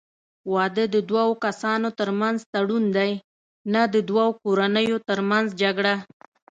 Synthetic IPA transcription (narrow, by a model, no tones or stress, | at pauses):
wɑd̪əd̪əd̪wɑwokasɑnot̪əɾmanzt̪aɽund̪aj | nad̪əd̪wɑwokoɾanəjot̪əɾmanzd͡ʒaɡɽa